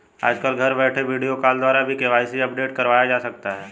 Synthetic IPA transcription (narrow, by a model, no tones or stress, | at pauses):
a̰ːd͡ʒkəlɡʱɐɾbɛːʈʰeʋiːɖijokaːld̪waːɾabʱikeʋaːɪsiɐp̚ɖeːʈkɐɾʋaːjad͡ʒaːsɐk̚t̪aɦɛː